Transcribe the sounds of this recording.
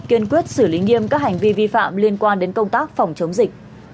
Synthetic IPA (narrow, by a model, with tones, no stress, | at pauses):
ki˧ənkwi˦˥ət̚sɨ˧˩li˨˦ŋi˧əmkaː˦˥k̚ha˨˩jŋ̟vi˧vi˧fa̰ː˧˨mli˧ənkwaː˧nɗe˨˦nkə˧wŋ͡mt̪aː˦˥k̚fa˨˩wŋ͡mt͡ɕə˨˦wŋ͡mzï˨˩k̟̚